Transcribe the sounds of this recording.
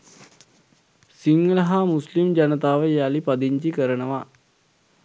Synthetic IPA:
siŋɡələɦamuslimd͡ʒanət̪aːʋəjalipad̪iɲt͡ʃikəɾənəʋa

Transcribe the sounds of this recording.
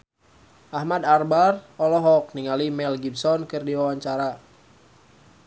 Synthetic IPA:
ʔahmadarbarɔlɔɦɔk̚niŋalimɛlɡibsɔnkɨrdiwawaɲt͡ʃaɾa

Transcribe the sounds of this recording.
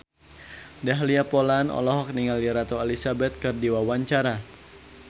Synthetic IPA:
daɦliapolanɔ̰lɔɦɔk̚niŋaliɾat̪oalisabɛt̪̚kɨrdiwawaɲt͡ʃaɾa

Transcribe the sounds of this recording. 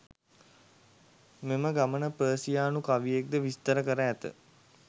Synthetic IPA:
meməɡamənəpəːsijaːnukaʋijek̚d̪əʋist̪əɾəkəɾəæt̪ə̰

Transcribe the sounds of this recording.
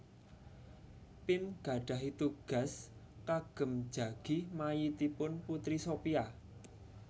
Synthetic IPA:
pɪnɡ̥a̤ɖ̥ä̤ɦit̪uɡ̥ä̤s | kaɡ̥ə̤md̥ʒ̥a̤ɡ̥imajit̪ipʊnput̪ɾisopia

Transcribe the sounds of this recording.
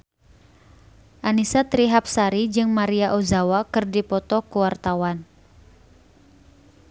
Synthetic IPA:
ʔanisat̪ɾiɦap̚saɾid͡ʒɨŋmaɾiaʔozawakɨrdipɔt̪ɔkuwart̪awan

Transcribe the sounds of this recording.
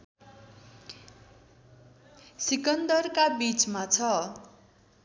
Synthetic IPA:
sikʌnd̪ʌrkabit͡smat͡sʰʌ

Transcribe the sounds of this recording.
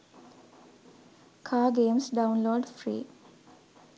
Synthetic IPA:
kʰaːɡeːmsɖaʊnloːɖfɾḭː

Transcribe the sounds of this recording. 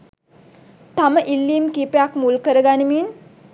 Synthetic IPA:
t̪aməʔilːiːmkipəjakmulkəɾəɡanimin

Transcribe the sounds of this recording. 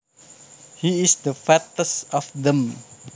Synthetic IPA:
hiɪsd̪əfɛt̪əsɔfd̪ə̃m

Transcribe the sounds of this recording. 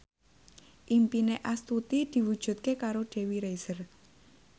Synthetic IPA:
ʔimpineʔast̪ut̪id̪̥i̤wud̥ʒ̥ṳt̪̚kekaɾoɖ̪̥e̤wiɾejzər

